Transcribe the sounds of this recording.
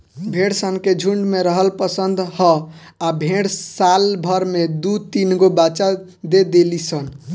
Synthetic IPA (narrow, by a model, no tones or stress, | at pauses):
bʱeɽsənked͡ʒʱuɳɖmeɾəɦəlpəsənd̪ʱhɔ | abʱeɽsalbʱəɾmed̪ut̪inɡobat͡ʃa | d̪ed̪elisən